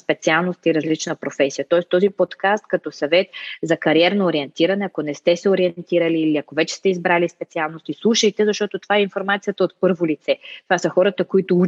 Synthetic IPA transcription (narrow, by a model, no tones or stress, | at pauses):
spɛt̪sialˠnost̪iɾɐzlit͡ʃnəpɾofɛsijət̪ɔɛst̪ɔzipot̪kast̪̚kɐt̪ɔsɐvɛt̪zɐkɐɾiɛɾnoːɾiɛnt̪iɾɐnɛɐkonɛst̪ɛsɛoɾiɛnt̪iɾəliːliɐkovɛt͡ʃɛ̥st̪ɛizbɾalispɛt̪sialˠnost̪islˠuʃəjt̪ɛzɐʃt̪ɔt̪ot̪o̥vaɛinfoɾmat̪sijət̪əot̪pɤɾvolit̪sɛt̪ovasəxɔɾət̪əkoit̪ou